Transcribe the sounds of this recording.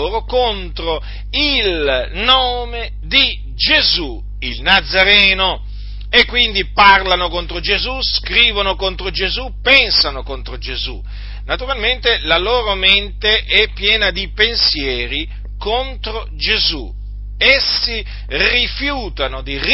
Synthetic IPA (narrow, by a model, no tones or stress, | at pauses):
oːɾokont̪ɾo | ilnoːme | d̪i | d͡ʒezu | ilnad̪zːaɾɛːno | ekːwind̪iparlanokont̪ɾod͡ʒezuskɾiːvonokon̪t̪ɾod͡ʒezupɛnsanokont̪ɾod͡ʒezu | nat̪uɾalment̪elaloːɾoment̪eʔɛpːjɛːnad̪ipensjɛːɾi | kont̪ɾo | d͡ʒezu | ɛsːi | rifjuːt̪anod̪i